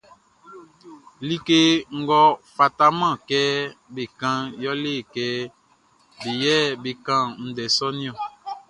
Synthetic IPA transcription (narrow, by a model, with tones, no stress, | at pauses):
li˦ke˦ŋ̩˦ɡɔ˦fa˨ta˦mã˦˨kɛ˦be˨kã˦jɔ˦le˦˨kɛ˦ | be˨jɛ˦be˨kã˦n̩˨dɛ˨sɔ˦nĩ˦ɔ̃˨